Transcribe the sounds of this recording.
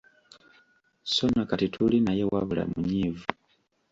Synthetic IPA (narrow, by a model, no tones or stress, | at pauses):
so̞nakatitʰulinaje̞waβula̰muɲiːvu